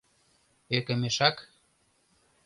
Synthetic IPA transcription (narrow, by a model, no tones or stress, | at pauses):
ekə̆meʃɑk